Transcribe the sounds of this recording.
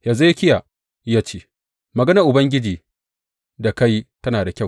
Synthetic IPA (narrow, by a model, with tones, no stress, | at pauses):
ja˨za˦jkʲɪ˦ja˨ | jaː˦t͡ʃeː˦ | mɐ˨ɡɐ˦nɐ˨ʔʊ˨bɐ˦ŋɡʲɪ˦d͡ʒiː˨ | da˨ka˦jtɐ˦naː˨da˨kʲɐ˦˨w